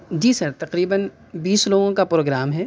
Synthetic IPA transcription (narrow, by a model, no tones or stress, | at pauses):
d͡ʒiːsɐɾt̪ɐqɾiːbən | biːsloːɡõkapɾoːɡɾaːmɦɛː